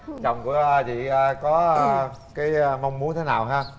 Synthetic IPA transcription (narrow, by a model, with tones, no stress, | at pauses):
t͡ɕɔ̰˨˩wŋ͡mku˧˩əʔt͡ɕḭ˧˨əː˨˧˩kɔ˨˦˧kaː˨˦jma˧wŋ͡mmu˨˦ŋt̪ʰe˨˦naː˨˩wɦaː˧